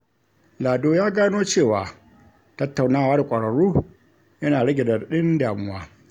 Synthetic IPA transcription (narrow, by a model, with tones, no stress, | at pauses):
laː˨doː˦jaː˦ɡaː˦noː˦t͡ʃeː˦˨waː˨ | tɐ˦tːa˨wnaː˦˨waː˦da˨kʷʼɐ˨ɽɐ˨ɽuː˦ | jɐ˦naː˨ɽɐ˦ɡʲe˨dɐ˨ɗɪ˦ndaː˨mʊ˦waː˦